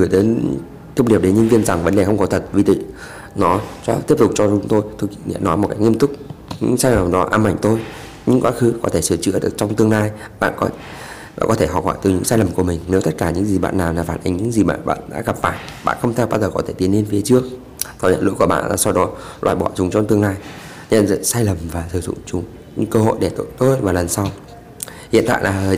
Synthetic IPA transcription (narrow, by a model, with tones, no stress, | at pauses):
ɣɨ˨˧˩jt̪e˨˦n | t̪ə˧wŋ͡mɗi˨˩əw̚ɗe˨˦nɲə˧nvi˧ənza˨˩ŋvə˨˦nɗe˨˩xə˧wŋ͡mkɔ˨˦t̪ʰə˨˩t̚vi˧˩t̪ḭ˧˨ | nɔ˨˦t͡ɕɔ˧˦t̪i˦˥əp̚t̪ʊ˨˩k͡p̚t͡ɕɔ˧t͡ɕʊ˨˦ŋ͡mt̪o˧jt̪ʰo˧ki˧˨ŋḭ˧˥nːɔ˨˦jmo˨˩ka̰˦˥kŋi˧əmt̪ʊ˦˥k̚ | ɲɨ̰˧˥ŋsaː˧jlə˨˩mɗɔ˨˦ʔaː˧mːa˧˩ŋ̟t̪o˧j | ɲɨ̰˧˥ŋkwaː˨˦xɨ˨˦kɔ˨˦t̪ʰe˧˩sɨ˧˩t͡ɕɨ̰˧˥əɗɨ˨˩ək̚t͡ɕɔ˧wŋ͡mt̪ɨ˧əŋlaː˧j | ɓa̰ː˧˨nkɔ˨˦ | aː˧˨kɔ˨˦t̪ʰe˧˩ɦɔ̰˧˩p̚hɔː˧˩jt̪ɨ˨˩ɲɨ̰˧˥ŋsaː˧jlə˨˩mku˧˩əmï˨˩ŋ̟ne˨˦wt̪t̚kaː˧˩ɲɨ̰˧˥ŋzi˨˩ɓa̰ː˧˨nːaː˨˩wlaː˨˩faː˧˩nʔa˨˩ŋ̟ɲɨ̰˧˥ŋzi˨˩ɓa̰ː˧˨nɓa̰ː˧˨nɗa̰ː˧˥ɣə˨˩p̚faː˧˩j | ɓa̰ː˧˨nxə˧wŋ͡mt̪ʰa˧w̚ɓaː˧zəː˨˩kɔ˨˦t̪ʰe˧˩t̪i˨˦ənːe˧nfi˨˦ə˦t͡ɕɨ˦˥ək̚ | t̪ʰɔ˨˩zə̰˧˨lṵ˧˥ku˧˩əɓa̰ː˧˨aː˨˩sa˧wɗɔ˨˦ | lwa̰ː˧˨jɓɔ˧˩t͡ɕʊ˨˦ŋ͡mt͡ɕɔ˧wŋ͡mt̪ɨ˧əŋnlaː˧j | ɲə̰˧˨nzə̰˧˨saː˧jlə˨˩mvaː˨˩sʰɨ˨˩zʊ̰˧˨ŋ͡mt͡ɕʊ˨˦ŋ͡m | ɲɨ̰˧˥ŋkəː˧ɦo̰˧˨jɗe˧˩t̪o̰˧˨jt̪o˧jvaː˨˩lə˨˩nsa˧w | hḭ˧˨ənt̪a̰ː˧˨jlaː˨˩˨